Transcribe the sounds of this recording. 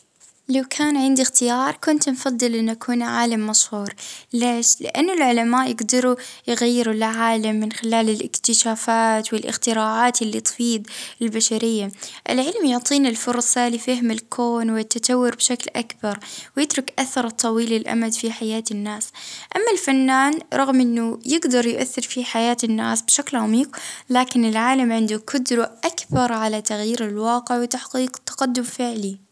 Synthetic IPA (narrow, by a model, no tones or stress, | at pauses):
lawkʰaːnʕɪnd̪ixt̪ɪjɑːɾˤkʊnt̪nfɑd̪ˤːɨlʔɪnːʔakʰuːnʕaːlamːaʃhuːɾleːʃlɪ̰ʔa̰nːʊlʕʊlamaːʔjɪɡd̪ɑɾujɣajːɪɾulʕaːlamːɪnxɪlaːlɪlʔɪ̰kt̪ɪʃaːfaːt̪wɪlʔɪ̰xt̪ɪɾaːʕaːt̪ʔɪlːit̪ˤfiːd̪ˤɪlbaʃaɾɪjːaʔɪ̰lʕɪlmjʊʕt̪ˤiːnɪlfʊɾˤsˤɑlɪfahɪmɪlkʰoːnwɪt̪ːat̪awːʊɾbʃaklʔakbɑɾˤwjɪt̪ɾʊkʔaθɑɾˤt̪ˤːɑwiːlɪlʔa̰mad̪fiħajaːt̪ɪnːaːsʔamːalfanːaːnɾˤɑɣmʔɪnːʊjɪɡd̪ɑɾˤjʊʔaθːɪɾfiħajaːt̪nːa̰ːsbʃaklʕamiːqlaːkɪnɪlʕaːlamʕɪnd̪ʊkʰʊd̪ɾuʔakbɑɾˤʕalat̪aɣjiːɾɪlwɑːqɪʕwɪt̪aħqiːqt̪ːɑ̥qɑd̪ːʊmfɪʕli